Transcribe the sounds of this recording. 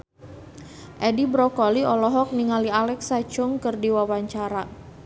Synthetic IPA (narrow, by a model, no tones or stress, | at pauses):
ʔɛdibɾɔkɔliʔɔlɔɦɔk̚niŋalialɛksat͡ʃʊŋkɨrdiwawaɲt͡ʃaɾa